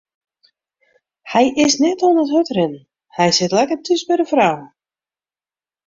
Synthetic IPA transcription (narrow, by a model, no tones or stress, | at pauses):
hɛjɪsnɛtɔnəthøtrɪn | hɛjsɪtlɛkərtʰysbɪɾəfraw